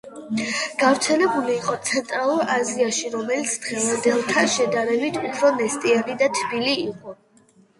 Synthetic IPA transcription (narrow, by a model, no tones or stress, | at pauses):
ɡ̥avɾt̪sʰɛlɛbuliːqʼɔt̪sʰɛnt̪ʼɾalˠuɾaziaʃiɾɔmɛlit̪sʰd̪ʁɛvand̪ɛlˠt̪ʰanʃɛd̪aɾɛbit̪ʰupʰɾɔnɛst̪ʼianid̪at̪ʰbiliːqʼɔ